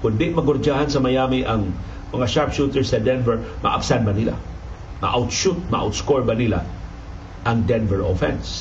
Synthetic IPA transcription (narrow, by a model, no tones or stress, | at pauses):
kʊnd̪ɪʔmaɡʊɾd͡ʒahansamajamiʔaŋ | mɐŋaʃaɹpʃut̪ɛɹsad̪ɛnvɛɹma̰ʔa̰bsanbanila̰ | ma̰ʔa̰wt̪ʃut̪̚maʔa̰wt̪skoɹbanila̰ | aŋd̪ɛnvɛɹofɛ̰ns